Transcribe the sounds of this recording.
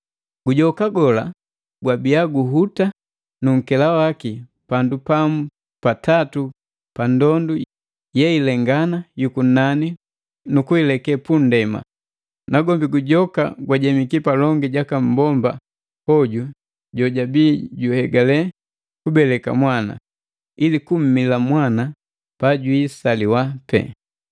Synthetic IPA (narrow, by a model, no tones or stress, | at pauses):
ɡuɟɔkaɡɔla̰ | ɡwabiaɡuɦuta | nuŋ̩kɛlawaki | pandupam̩ | patatu | pandɔndu | jɛilɛŋɡanajukun̩nani | nukuilɛkɛpun̩dɛma̰ | naɡɔmbiɡuɟɔka̰ɡwaɟɛmikipalɔŋɡiɟakam̩bɔmba | hɔɟu | ɟɔɟabiːɟuhɛɡalɛ | kubɛlɛka̰mwana̰ | ilikum̩milamwana | paɟwisaliwapɛ̰